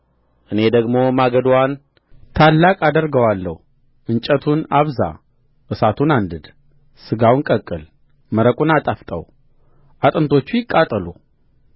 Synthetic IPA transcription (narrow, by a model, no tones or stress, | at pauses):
ʔɨne̞d̪əɡmo̞maɡəd̪wan | t̪ʰalːakʼad̪əɾɡəwalːə̰hu | ʔɨnt͡ʃʼət̪ʰunaβza̰ | ʔɨsat̪ʰunand̪ɨd̪ | sɨɡawnkʼəkʼːɨl | məɾəkʼunat̪ʼaft̪ʼə̰w | ʔat̪ʼɨnt̪ʰo̞t͡ʃːujɪkʼːat̪ʼːəlu